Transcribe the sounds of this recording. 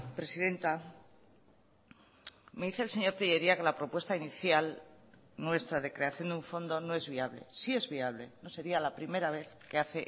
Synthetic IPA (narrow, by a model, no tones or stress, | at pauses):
pɾe̞siðe̞nt̪a | me̞ðiθeːlse̞ɲo̞ɾt̪iʝe̞ɾiake̞lapɾo̞pwe̞st̪ainiθjal | nwe̞st̪ɾaðe̞kɾe̞aθjo̞nd̪iuɱfo̞nd̪o̞no̞e̞zβiaβ̞le̞̰sie̞zβiaβle̞no̞se̞ɾialapɾime̞ɾaβ̞e̞θke̞aθe̞